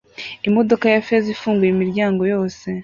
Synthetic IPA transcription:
imo̞do̞kajafezifuːŋɡujimiɾɟaːŋɡo̞jo̞ːse̞

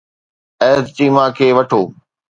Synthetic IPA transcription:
ɛːd̪tiːmãkʰeːʋɐʈʰoː

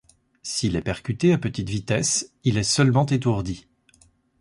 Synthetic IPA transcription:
silɛpɛʁkʲyt̪eapət̪it̪vit̪ɛsilɛsœlmɑ̃t̪et̪̬uʁd̪i

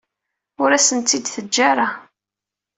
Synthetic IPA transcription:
ʊɾæsənt̪ːid̪θəd͡ʒːaɾˤa

